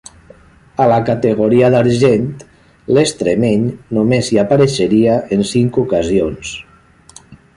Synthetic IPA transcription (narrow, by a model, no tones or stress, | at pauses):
alakat̪əɣoɾiaðaɾʒent̪ | lest̪ɾemeɲnumeziapaɾeʃəɾiaʔənsiŋkukazions